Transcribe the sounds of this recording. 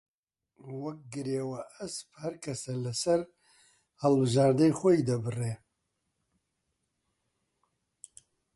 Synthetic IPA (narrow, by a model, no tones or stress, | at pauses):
wɐk̚ɡɨɾeːwɐɐsphɐɾkʰɐsɐlɨsɐɾ | hɐlbɨʒaːɾd̪ɨjxʷojid̪ɐbɨre